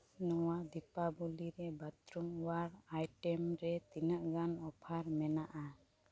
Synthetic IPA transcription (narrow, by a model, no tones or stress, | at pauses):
nɔwad̪ipabuliɾɛbat̪ɾuŋwaɾajʈɛmɾɛt̪inəʔɡanɔpʰaɾmɛnaʔa